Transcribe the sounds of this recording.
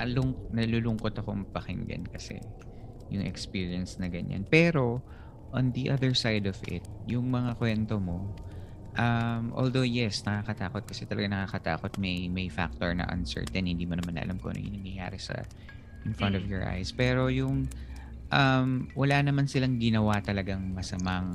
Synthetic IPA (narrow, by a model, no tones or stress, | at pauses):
ɐlʊŋnɐlulʊŋkot̪ɐkoŋpɐkɪŋɡɐ̰nkɐsɛ̰ | jʊŋʔɛ̰kspiːɹiɐnsnɐɡɐɲa̰npɛːɾo̞ | ʔond̪iʔɐðɛɹsajd̪ovʔɪ̰t̪̚jʊŋmɐŋakwɛnt̪omo̞ | ʔɐmʔo̰ld̪owjɛsnɐkakɐt̪aːkot̪̚kɐsɛt̪ɐlɐɡanɐkakɐt̪a̰ːkot̪̚mɐjmɐjfa̰k̚t̪oɹnɐ̰ʔɐ̰nsɛ̰ɹt̪ɛnhɪnd̪iːmonɐmanʔɐ̰lʔamkonɐ̰ŋʔɪ̰nɐmjɐja̰ːɾɛsɐ̰ | ʔɪnfɹɐ̃nt̪ɔvjɔɹʔa̰jspɛːɾo̞jʊŋ | ʔɐmwɐlanɐmansɪlaŋɡɪnɐwat̪ɐlɐɡaŋmɐsɐmaŋ